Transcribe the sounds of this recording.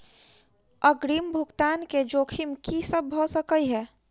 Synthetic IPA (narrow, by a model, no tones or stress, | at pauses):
əɡɾimbʱukt̪aːnked͡ʒoːkʰimkisəbʱːɔsəkəjɦɛː